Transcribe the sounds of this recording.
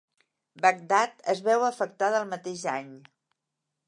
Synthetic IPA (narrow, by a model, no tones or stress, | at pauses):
bəɡ̚d̪at̪əzβɛwəfək̚t̪aðəlˠmət̪eʒaɲ